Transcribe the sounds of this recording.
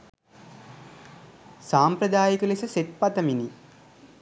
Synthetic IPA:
saːmpɾəd̪aːjik̪ulesəset̪̚pat̪əmini

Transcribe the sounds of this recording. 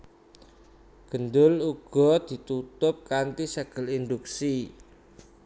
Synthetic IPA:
ɡ̥ə̤nd̪ʊluɡ̥ɔ̤d̪̥i̤t̪ut̪ʊp̚kant̪isəɡ̥ə̤lind̪uksi

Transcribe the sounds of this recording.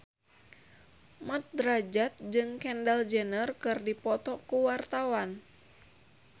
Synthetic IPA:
mat̪̚dɾad͡ʒat̪̚d͡ʒɨŋkɛndald͡ʒənərkɨrdipɔt̪ɔkuwart̪awan

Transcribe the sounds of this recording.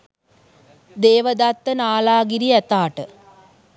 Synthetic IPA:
d̪eːʋəd̪at̪ːənaːlaːɡiɾiɛt̪aːʈə

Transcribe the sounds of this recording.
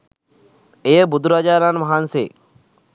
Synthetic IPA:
ejəbud̪ʱuɾaːd͡ʒaːɾanmaɦansḛː

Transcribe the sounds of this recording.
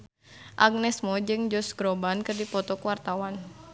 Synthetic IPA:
ʔaɡ̚nɛsmɔd͡ʒɨŋd͡ʒɔsɡɾɔbankɨrdipɔt̪ɔkuwart̪awan

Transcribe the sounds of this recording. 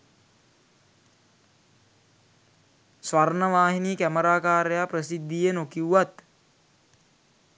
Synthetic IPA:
sʋarnəʋaːɦiniːkæməɾaːkaːɾjaːprəsid̪ʱːijenokiwʋat̪

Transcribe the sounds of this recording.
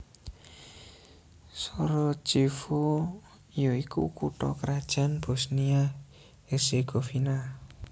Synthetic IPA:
sɔɾɔ̥d͡ʒ̥ifo | jɔikṵkuʈɔ̰kɾad̥ʒ̥a̤nb̥o̤snia | eseɡ̥ofina

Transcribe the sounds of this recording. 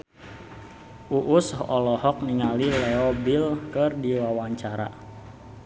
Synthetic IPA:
ʔuʔushɔlɔhɔk̚niŋalilɛɔbilkɨrdiwawaɲt͡ʃaɾa̰

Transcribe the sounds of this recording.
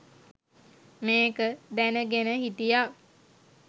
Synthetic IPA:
meːkəd̪ænəɡenəɦit̪ija

